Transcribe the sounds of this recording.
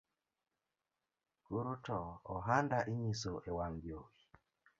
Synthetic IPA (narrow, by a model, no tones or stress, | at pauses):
kuɾutɔɔɦandaʔiɲisoʔewaŋɡjowi